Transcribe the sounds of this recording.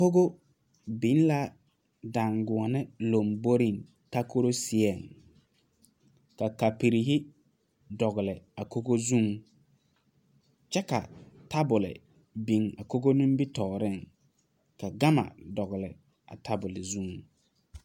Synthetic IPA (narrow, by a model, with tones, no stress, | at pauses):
ko˦ɡo˦ | bi˨˦n˦la˦ | da˨ŋɡʊ˨ɔ˨nɪ˦lo˨mbo˦ɾi˦˨ŋ | ta˦ko˦ɾo˦sɪ˨ɛ˨ŋ | ka˨ka˨pi˨ɾi˨ɦɪ˦ | dɔ˨ɣɪ˨lɪ˨a˨ko˦ɡo˦zũ˦ŋ | t͡ʃɛ˦ka̰˨ta˦bʊ˨lɪ̰˨ | bi˨ŋa˨ko˦ɡo˦nũ˦m˦bi˦tɔː˨ɾɪ˦˨ŋ | ka˨ɡa˦ma̰˨dɔ˨ɣɪ˨lɪ˨ | a̰˨tʰa˦bʊ˨lɪ˨zũ˦˨ŋ